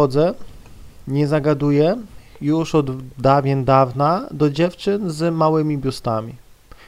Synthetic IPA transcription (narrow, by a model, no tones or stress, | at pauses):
ɔd̪zɛ | ɲɛzaɡad̪ujɛjuʂɔd̪d̪avʲɛnd̪avnad̪ɔd͡ʑɛft͡ʂɘnzmawɘmʲibʲjust̪amʲi